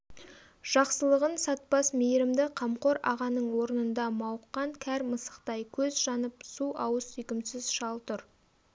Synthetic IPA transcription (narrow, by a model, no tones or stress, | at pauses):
ʒ̥ɑqsəlˠəʁənsɑt̪̚pɑsmejɾɪmd̪ɪqʰɑmqo̞ɾɑ̰ʁɑnəɴwo̞ɾənənd̪ɑmɑwəqːɑŋkʲʰæɾməsə̥qt̪ɑjkʲʰɵzʒɑnəpsuɑwəsʏjkʲɪmsɪzʃɑlˠt̪ʊɾ